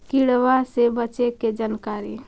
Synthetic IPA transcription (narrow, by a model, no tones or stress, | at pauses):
kiɽʋasebət͡ʃeked͡ʒankaɾi